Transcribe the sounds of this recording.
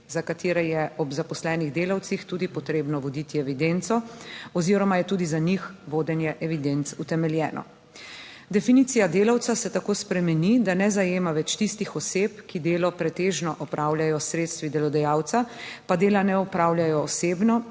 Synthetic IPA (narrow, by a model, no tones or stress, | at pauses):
zakat̪eːɾɛjɛɔbzapɔslɛːniɣd̪eːlawt̪sixt̪uːd̪ipɔt̪ɾeːbnɔʋɔd̪it̪iɛʋid̪ent̪sɔɔziːɾɔmajɛt̪uːd̪izaɲixʋoːd̪ɛnjɛʔɛʋid̪ent̪sut̪ɛmɛljɛːnɔ̰ | d̪ɛfiniːt̪sijad̪eːlawt̪sasɛt̪akoːspɾɛmɛnid̪anɛzajeːmaʋɛt͡ʃt̪ist̪ixɔseːpkid̪eːlɔpɾɛt̪eːʒnɔʔɔpɾʔaːwljajɔsɾeːt̪st̪ʋid̪ɛlɔd̪ɛjaːwt̪sapad̪eːlanɛɔpɾaːwljajɔːseːbnɔ